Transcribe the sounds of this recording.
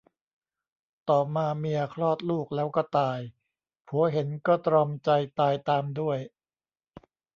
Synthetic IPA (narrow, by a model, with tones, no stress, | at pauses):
t̪ɔː˨˩maː˧mi˧ɐkʰlɔː˥˩t̪̚luː˥˩k̚lɛː˦˥wkɔ˥˩t̪aː˧j | pʰu˩˦ɐɦe˩˦nkɔː˥˩t̪ɾɔ˧mt͡ɕa˧jt̪aː˧jt̪aː˧mdu˥˩əj